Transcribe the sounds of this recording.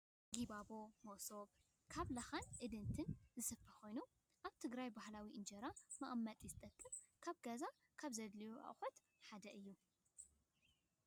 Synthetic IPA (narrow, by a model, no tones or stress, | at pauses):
ɡibabo̞moʔso̞β | kʰaβlɐxanʔɨd̪ɨnt̪ʰɨnzɨsɐfʰɐxo̞jnu | ʔaβt̪ʰɨɡɾajbahlawiʔɨnd͡ʒɐɾamɐʔʼmːɐt̪ʼizɨt̪ʼɐkʼːɨm | kʰaβɡɐza | kʰaβzɐd̪lijuʔa̰ʔʼxot̪ | ħad̪ɐʔɨjːu